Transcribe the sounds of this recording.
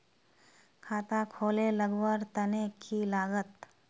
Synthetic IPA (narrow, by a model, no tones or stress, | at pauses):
kʰaːt̪akʰoːleləɡwəɾt̪ɐnekʰilaːɡət̪